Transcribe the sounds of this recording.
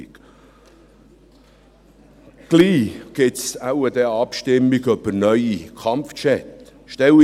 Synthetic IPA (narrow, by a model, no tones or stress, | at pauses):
k | ɡ̥liːɡ̥ɪtsawəd̥̪ɛɑpʃtɪmːiɡœbənœʏikʰɑmft͡ʃɛt̪ | ʃtɛl